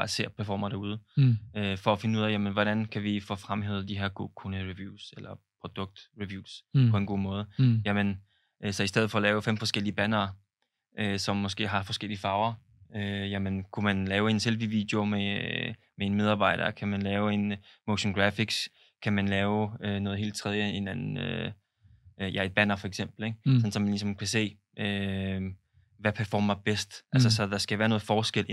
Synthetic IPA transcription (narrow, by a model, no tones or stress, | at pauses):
æse̝̰ːɐpʰæɐfɒ̰ːmɐd̥æuð̞ˠəøfɒ̽ːfe̝nəuð̰ˠæjæmənʋɒɾ̥ænkʰæʋifɔ̽fʁamɦeðˠd̥iɦeɐ̰ɡ̥okʰunəʁiʋjuːselɐpʰʁo̝d̥ɔ̽ɡ̥̚d̥ʁiʋjṵːsppʰɒ̽e̝nɡ̥o̝̰ːmɔ̽ːðˠəjæmən | ʔsɒ̽isd̥eð̞̰̩ˠfɒ̽ːlɛːʊfem̰fɒ̽sɡ̥el̰iəb̥ænɐː | ʔøsɒ̽mːɒ̽sɡ̥e̝̰ːɦɑ̈fɒ̽sɡ̥el̰iəfɑ̈ːʊɐ | øjæmənkʰumænlɛːʊe̝nselʋiʋid̥jo̝me | mee̝nmeð̞ˠɑ̈ːb̥ɑ̈ɪ̰d̥ɐkʰæmænlɛːʊe̝nmoʊɕɔnɡ̥ʁæfiɡ̥s | kʰæmænlɛːʊønɔ̽ːð̞̩ˠe̝̰ːld̥̚t͡sʰʁɛðˠjəe̝nænn̩ø | jʔæe̝d̚b̥ænɐfɒ̽eɡ̥sem̰b̥l̩eɡ̥sɒ̽n̩sɒ̽mænlisɒ̽mkʰæse̝̰ː | ʔø | ʋæpʰæɐfɒ̰ːmɐb̥esd̥ʔælsɐsɒ̽d̥ɑ̈sɡ̥æʋæːɐnɔ̽ːð̩ˠfɒːsɡ̥el̰ʔ